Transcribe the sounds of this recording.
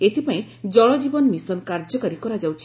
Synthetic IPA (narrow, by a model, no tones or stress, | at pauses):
et̪ʰipaĩ | d͡ʒɔɭɔd͡ʒibɔnmisɔnkaɾd͡ʒɔkaɾikɔɾad͡ʒawt͡ʃʰi